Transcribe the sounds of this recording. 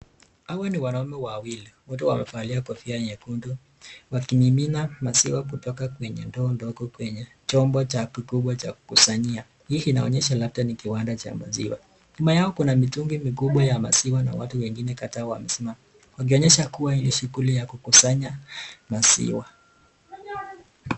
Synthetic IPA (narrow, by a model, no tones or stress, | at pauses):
awaniwanaumɛwawiliwɔtuwamɛ̰fualiakɔfiaɲɛkundɔ | wakimiminamasiwakutɔkakwɛɲɛ̰ndɔːndɔɡɔkwɛɲɛ | t͡ʃɔmbɔt͡ʃakikuɓwat͡ʃaku̥kusaɲia | hikina̰ɔɲɛʃalaf̚tanikiwandat͡ʃa̰ma̰zḭwa̰ | imajaɔkunamituŋɡimikuɓwajama̰siwana̰watuwɛŋɡinɛkatawa̰mɛsɛma | wak̬iɔɲɛʃakuwailiʃuɣulijakukusaɲamasḭwa